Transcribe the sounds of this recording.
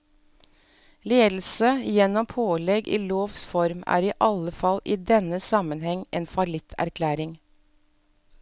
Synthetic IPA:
leːd̪l̩səjɛnɔmpʰoːlɛɡʔḭːloːʋsfɔɾmæ̰ːɾiːʔɑləfɑliːd̪ɛnəsɑmənhɛŋʔeːnfɑlɪt̪ʰæ̰ɾkʰlæːɾɪŋ

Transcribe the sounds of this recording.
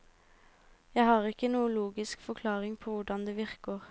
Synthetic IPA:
jæɪhɑːʁɪkənuːəluːɡɪskfɔkʰlɑːʁɪŋpʰoːʋʊɖɑnd̪eːʋɪʁkəːʁ

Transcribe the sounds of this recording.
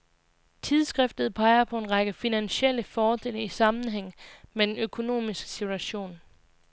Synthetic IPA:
t͡sʰiðˠsɡ̥ʁɛfd̥ð̩ˠpʰɑ̈ɪɐpʰɒ̽e̝nʁɑ̈ɡ̥əfinænɕel̰əfɒːd̥e̝ləisɑ̈mn̩ɦeŋ̰med̥enøkʰo̝no̝̰ːmisɡ̥ə̥sit͡sʰuæɕo̝̰ːn

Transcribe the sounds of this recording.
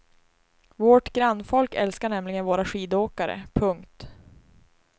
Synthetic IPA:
vɔʈɡɾanːfɔlkɛlskaɳɛmlɪɡənvoːɾaɧiːd̪oːkaɾə̰pʰɵŋkt̪

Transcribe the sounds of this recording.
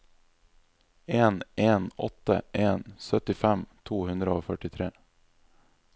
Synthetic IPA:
eːnʔeːnɔ̰t̪ːə̰ʔeːnsœt̪ɪfɛmt̪ʰuːhʉnd̪ɾəoːfœʈɪt̪ʰɾeː

